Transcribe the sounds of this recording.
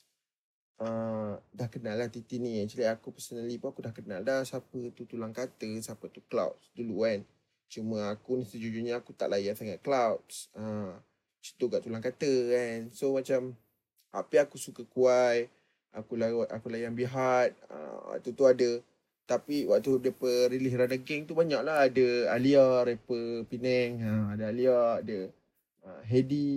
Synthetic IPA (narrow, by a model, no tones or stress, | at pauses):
ədahkənalːaht̪it̪iʔnĩat͡ʃilaakupəsənəlipuakudahkənaldahsapət̪ut̪ulaŋkat̪əsapət̪ukla̰wtsduluan | t͡ʃumə̃akunisəd͡ʒud͡ʒuɲaakut̪a̰ʔlajansaŋaʔklawtsə | t͡ʃi̥t̪uɡaʔt̪ulaŋkat̪əɛnsomat͡ʃam | ha̰piakusukəkuaj | ʔa̰kulaʔakulajanbiɦat̪̚ə̰wa̰ʔt̪ut̪uadə | t̪apiwaʔt̪udepəɾiliɦɾadaɡɛŋt̪ubaɲaʔlaɦadəaliaɾepəpinɛŋəadəaliaadə | əɦedi